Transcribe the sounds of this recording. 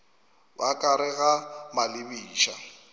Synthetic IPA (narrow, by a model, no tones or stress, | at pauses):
wʔakʼaɾɪɣamalɪbiːʃa